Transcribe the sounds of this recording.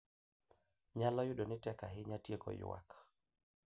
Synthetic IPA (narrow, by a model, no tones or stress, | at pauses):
ɲalɔjuɗonɪtɛkaɦɪɲatjekɔ̰jʊ̰wa̰k